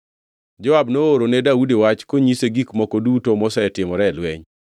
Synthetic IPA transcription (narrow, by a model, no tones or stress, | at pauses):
d͡ʒɔabnooɾonedaudewat͡ʃkoɲiseɡikmɔkodutomɔsaɛtɪmɔɾɛlwɛɲ